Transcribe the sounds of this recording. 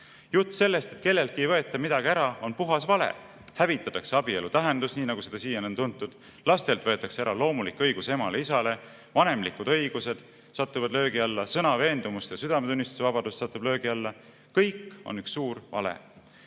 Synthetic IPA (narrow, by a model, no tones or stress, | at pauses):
jut̪ːˑse̞lːe̞st̪et̪ke̞lːe̞lt̪kːˑiejvɤ̞e̞t̪ːˑɑmid̪̥ɑɡ̥iæɾɑo̞npuɦɑsvɑle̞̰ | hævit̪ːˑɑt̪ːˑɑkse̞ɑbie̞lut̪æɦe̞nd̪usniːnɑɡ̥use̞d̪̥ɑsiːjɑnont̪unt̪ːˑud̪̥ | lɑst̪e̞lt̪vɤ̞e̞t̪ːˑɑkseæɾɑlo̞ːmulikːˑɤjɡ̥usemɑle̞isɑle̞ | vɑne̞mlikud̪ɤ̞jɡ̥use̞d̪̥ | sɑt̪ːˑuvɑd̪lø̞ːɡiɑlːɑsɤnɑve̞ːnd̪umust̪jɑsyd̪ɑmet̪unʲːist̪u̥sevɑbɑd̪ust̪sɑt̪ːˑub̥lø̞ːɡ̥iɑlːɑ | kɤjkːˑo̞̰nyksːuːɾvɑ̰lḛ